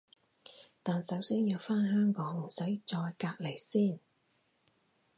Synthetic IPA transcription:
t̪aː˨nsɐ˨˥wsiː˥njiː˧wfaː˥nhœː˥ŋkɔː˨˥ŋm̩˨˩sɐ˨˥jt͡sɔː˧jkaː˧k̚le˨˩jsiː˥˩n

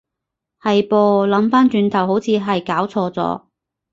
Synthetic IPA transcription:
hɐ˨jpoː˧lɐ˨˥mfaː˥nt͡ʃyː˧nt̪ʰɐ˨˩who˨˥wt͡sʰiː˨˧ɦɐ˨jkaː˨˥wt͡sʰɔː˧t͡sɔ̰ː˨˧˥

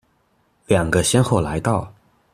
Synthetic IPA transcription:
ljɑ˨˩ŋɡə˦ɕjɛ˥nxo˥˩ʊla˧˥ɪt̪ɑ˥˩ʊ

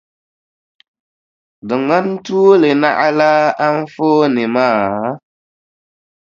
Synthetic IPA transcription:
dɨ˨ŋa˦n˦tu˦le˨na̰˦ʔla˦a˦n˦foː˦ni˨maː˦˨˦

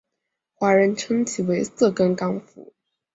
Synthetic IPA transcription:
xwa˧˥ɻə˧˥nʈ͡ʂʰɤ˥ŋt͡ɕʰi˨˩we˧˥ɪsɤ˥˩kə˥nkɑ˥ŋfṵ˧˥˦

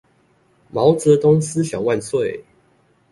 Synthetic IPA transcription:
mɑ˨˦ʊt͡sə˨˧˦t̪ʊ˥ŋs̩˦ɕjɑ˨˩ʊwa˥˧nswe˥˨ɪ

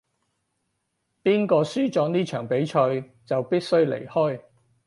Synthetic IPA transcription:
piː˥nkɔː˧syː˥t͡ʃɔː˨˧˥ŋniː˥t͡ʃʰœ̰ː˨˩ŋpe˨˥jt͡ʃʰœ˧ɥ | t͡sɐ˨wpiː˥t̚sɵ˥ɥlḛ˨˩jhɔː˥j

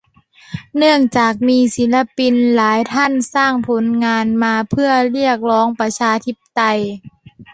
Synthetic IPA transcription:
nɯ˥˩əŋt͡ɕaː˨˩k̚miː˧si˨˩˦nla˧pi˧nlaː˨˩˦jt̪ʰa˥˨nsaː˥˩ŋpʰo˩˦nŋaː˧nmaː˧pʰɯ˥˩ɐli˥˩ək̚lɔː˦˥ŋpa˧t͡ɕʰaː˧t̪ʰi˦˥p̚t̪a˧j

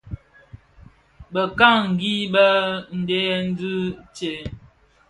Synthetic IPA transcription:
bə˨ka˦ŋ̩˨ɡi˦bə˦n̩˨de˦jɛ˦n̩˦di˦t͡ʃe˨˦

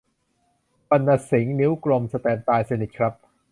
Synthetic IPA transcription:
pa˧nːa˧si˩˦ŋni˦˥wkɾo˧msa˧t̪ɛː˧mt̪aː˧jse˧ni˨˩t̪̚kʰɾa˦˥p̚

